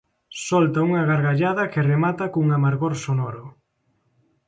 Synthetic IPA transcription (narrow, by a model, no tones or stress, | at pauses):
sɔlt̪auŋaɣaɾɣaʎaðɐkɪremat̪ɐkuŋamaɾɣoɾsonɔɾʊ